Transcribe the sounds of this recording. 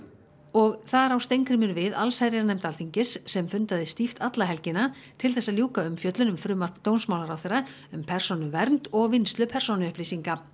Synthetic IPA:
ɔɣθaɾawst̪ejŋkɾɪmʏɾvɪða̰lsajɾɪɾanɛjm̥t̪alt̪ʰiɲcɪsːɛmfʏnt̪aðɪst̪ift̪at̪laɦɛlcɪnat̪ʰɪlθɛsːaðljuːkaʏmfjœt̪lʏnʏmfɾʏːmat̪ownsmawlaɾawθerːa | ʏmpʰɛr̥sɔnʏvɛɾnt̪ɔɣvɪnst̪lʏpʰɛr̥sɔnʏʏhpliːsiŋka

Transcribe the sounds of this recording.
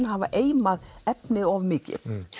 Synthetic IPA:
nhava̰ʔeːjmaðɛpnɪðɔvmɪːcɪ̰θ

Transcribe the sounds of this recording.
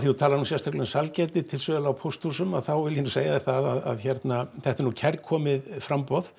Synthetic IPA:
θiut̪ʰaːlaɾnusɛst̪ʰaklɛʏnsalcɛjt̪ɪt̪ʰɪlsœːðlaawpʰowst̪husʏmaðθawvɪljɪnuseːjaðɪθaðaða̰ðçɛɾt̪naθɛht̪aɾnucʰɛɾkʰɔːmɪðfɾampɔð̥

